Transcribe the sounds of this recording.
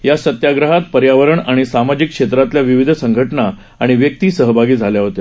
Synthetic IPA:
jasət̪jaɡɾəɦat̪̚pəɾjaʋəɾəɳaɽ̃isamad͡ʑikːʂet̪ɾat̪ljaʋiʋid̪ʱəsəŋɡʱəʈɳa | aɽ̃iʋjək̚t̪iːsəɦəbʱaɡiːd͡zʱaljaɦot̪e

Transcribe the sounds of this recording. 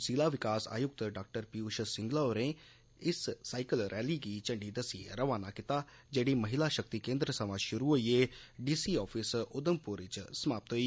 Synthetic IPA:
siːlaːʋɪkaːsa̰ːjʊk̚t̪ɖaːk̚ʈəɾpiuːʃsɪ̃ŋɡlaːoːɾẽː | ɪsːaːɪkəlɾʔɛːliːɡiːt͡ʃə̃ɳɖiːd̪əsiːɾəʋaːnaːkɪt̪aː | d͡ʒeːɽiːməɦɪlaːʃək̚t̪iːkẽːnd̪ɾəsəʋãːʃʊɾuɦoːieːɖiːsiːɔːpʰɪsʊd̪əmpʊɾɪt͡ʃsəmaːp̚t̪ɦoːiː

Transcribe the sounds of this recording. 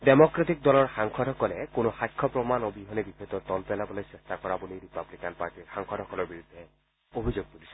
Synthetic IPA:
demɔkɹatik̚dɔlɔɹxaŋkʰɔdʱɔkɔlɛkonoxajkʰːɔpɹɔmanobiɦɔnebixɔt̪ɔt̪ɔlpɛlabɔlojsɛstakɔɹabulijɹipablikanpaɹtiɹxaŋkʰɔdʱɔkɔlɔɹbiɹud̪ʱːɛ | obʱizoɡ̚t̪ulisʰɔ

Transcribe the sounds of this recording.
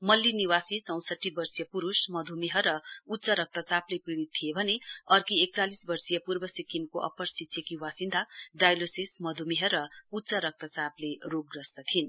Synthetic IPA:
mʌlːiniwasit͡sʌ̃w̃sʌʈːibʌrsijʌpuɾusmʌd̪ʱumiɦʌɾʌut̪ːt͡sʌɾʌk̚t̪ʌt͡saplepiɽit̪ʰːijebʱʌneʌrkiek̚t͡salisbʌrsijʌpurbʌsikimkoʔʌ̰pʌrsit͡sʰjekiwasind̪ʱaɖajlosismʌd̪ʱumiɦʌɾʌut̪ːt͡sʌɾʌk̚t̪ʌt͡sapleroɡ̚ɡrʌsd̪ʌt̪ʰin

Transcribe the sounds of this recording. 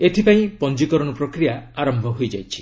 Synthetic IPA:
eʈʰipaĩpɔnd͡ʒikɔɾɔɽ̃ɔpɾokɾijaaɾɔmbʱɔɦojd͡ʒa̰jt͡ʃʰi̥

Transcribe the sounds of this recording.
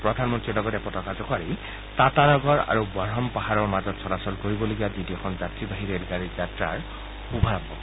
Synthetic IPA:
pɹɔdʱanmɔntɹiɹlɔɡɔtɛpɔtɔkazɔkaɹi | tatanɔɡɔɹa̰ɹubaɹɔmpaɦaɹɔɹmazɔtsʰɔɾasɔlkoɹibɔloɡijaditiɛxʰɔnzatɹibaɦiɹeɹɡaɹizatɹa̰ɹ | xubʱabɔ̰

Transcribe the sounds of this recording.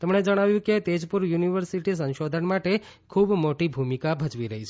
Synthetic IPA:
t̪əmɳed͡ʒəɽ̃aʋjũket̪ed͡ʒpuɾjuniʋəɾsiʈis̬ə̃nʃod̪ʱənmaʈe | kʰubmoʈibʱumikabʱət͡ʃʋiɾəɦit͡ʃʰ

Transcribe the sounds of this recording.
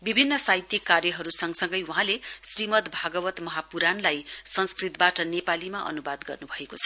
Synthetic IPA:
bibʱinːʌsajt̪jikːarjʌɦʌɾusʌŋsʌŋɡʌjuɦãlesrimʌt̪bʱaɡʌbʌt̪mʌɦapuɾanlajsʌnskrit̪baʈʌnepalimaʔʌ̰nubad̪ɡʌrnubʱʌekot͡sʰʌ̥

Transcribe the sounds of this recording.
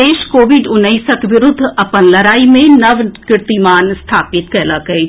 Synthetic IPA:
eːʃkoːʋɪɖʊnːəiːsəkʋɪɾʊd̪ʱːɐpənlɐɾaːimẽnɐʋkɪɾt̪imaːnst̪ʰaːpɪt̪kɛːlakɐe

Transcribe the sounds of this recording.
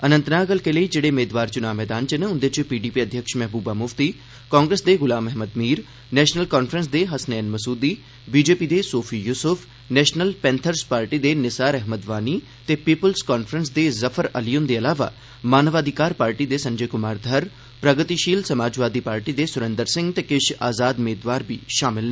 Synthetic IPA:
ənə̃nt̪naːɡəlkeləiːd͡ʒeːɽeːmeːd̪ʋaːɾt͡ʃʊnaːmɛːd̪aːnt͡ʃəneʊ̃nd̪et͡ʃpiːɖiːpiəd̪ʱjəkʃmɛɦbuːbamʊft̪iː | kɔ̃ːŋɡɾeːsd̪eːɣʊlaːmɛɦməd̪miːɾ | nɛːʃnəlkaːnpʰɾəns̬d̪eɦɐsnɛːnməsuːd̪iː | biːd͡ʒeːpid̪eːsoːpʰiːjʊsʊpʰ | nɛːʃnəlpɛ̃ːnt̪ʰəɾspaːɾʈid̪enɪsaːɾɛɦməd̪ʋaːni | t̪epiːpəlskaːnfʰɾəns̬d̪ezɐfʰəɾɐlijʊnd̪eɐlaːʋa̰ | maːnəʋaːd̪ʱɪkaːɾpaːɾʈid̪esɐ̃ɲd͡ʒəjkʊmaːɾd̪ʱɐɾ | pɾɐɡət̪iʃiːlsɐmaːd͡ʒʋaːd̪ipaːɾʈid̪esʊɾẽnd̪əɾsɪ̃ŋɡt̪ekɪʃa̰ːzaːd̪meːd̪ʋaːɾbʱiʃaːmɪle

